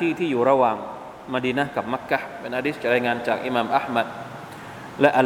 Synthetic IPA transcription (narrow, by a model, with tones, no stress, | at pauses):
iː˥˩t̪ʰiː˥˩juː˨˩ɾa˧wa˧ŋ | ma˧diː˧na˦˥hka˨˩p̚ma˦˥kːa˦˥hpe˧nʔaː˧diː˦˥st͡ɕʰa˨˩ɾaː˧jŋaː˧nt͡ɕaː˨˩k̚ʔi˧maː˧mʔa˦˥hma˧t̪̚ | lɛ˦˥ʔa˧